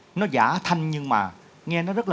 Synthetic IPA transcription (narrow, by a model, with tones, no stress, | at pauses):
nɔ˨˦zaː˧˩t̪ʰa˧jŋɲɨ˧ŋma̰ː˨˩ | ŋɛ˧nɔ˨˦zə˦˥t̚l